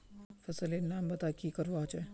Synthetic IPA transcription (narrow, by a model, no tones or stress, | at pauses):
fɐsəlenːaːmbɐt̪akikəɾʋat͡ʃe